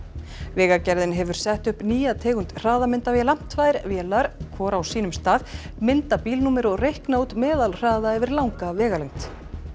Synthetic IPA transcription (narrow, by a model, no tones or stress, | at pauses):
vɛːɣacɛɾðɪnɦɛvʏɾ̥sɛht̪ʏhpniːjat̪ʰɛːɣʏnt̪r̥aːðamɪnt̪avilamn̥t̪vaðɪɾvjɛːlaɾ̥kʰvɔːɾawsiːnʏmst̪aːð | mɪnt̪apiːlnuːmɪɾɔɣrejhknowt̪mɛːðalr̥aːðaɛvɪɾlawŋkavɛːɣalejŋ̥t̪